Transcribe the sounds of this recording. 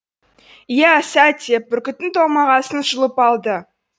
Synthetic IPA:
jæsæt̪ʲepːʏɾkʲɪt̪ːɪŋt̪ʰomɑʁɑsənʃəlˠəpɑlˠd̪ə

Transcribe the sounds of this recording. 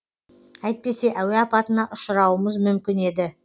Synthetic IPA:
æjt̪̚pe̞se̞ʔæwe̞ɑpɑt̪ənɑʔʊʃəɾɑwəməzmʏmkʲɪne̞d̪ɪ

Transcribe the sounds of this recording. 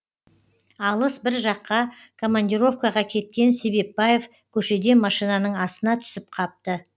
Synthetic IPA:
ɑlˠəsbɪɾʒɑqːɑ | kʰo̞manʲd̪ʲiɾo̞fkaʁɑkʲʰe̞t̪̚kʲe̞nse̞be̞p̚baje̞f | kʲʰɵʃe̞d̪e̞mɑʃijnɑnəɴɑsənɑt̪ʰʏ̥sɪp̚qʰɑp̚t̪ə

